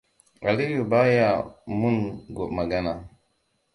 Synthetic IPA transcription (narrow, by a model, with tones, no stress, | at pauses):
a˨li˦ju˨ba˦ja˨mu˦nɡo˨ʔma˨ɡa˦na˨